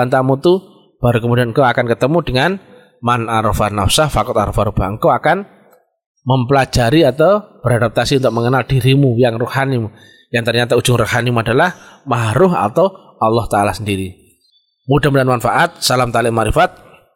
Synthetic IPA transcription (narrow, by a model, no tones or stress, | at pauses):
ant̪amut̪u | b̥a̤ɾukəmudianŋkoakankət̪əmudəŋan | manaɾofanafsahfakʊt̪aɾofaɾub̥aəŋkoakan | məmpəlḁd͡ʒ̥aɾiat̪awb̥əɾadap̚t̪asiunt̪ʊk̚məŋənald̥i̤ɾimujaŋrʊhanimu | jaŋt̪ərɲat̪au̥d͡ʒʊŋrʊhanimuadalahmaɦɾʊɦa̰t̪aw | ɑlːɔht̪aalasəndiɾi | mudamudanmanfaʔat̪̚salamt̪alɪʔmaɾifat̪̚